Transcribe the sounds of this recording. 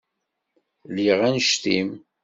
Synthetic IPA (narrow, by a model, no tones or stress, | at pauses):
liʁænʃt̪im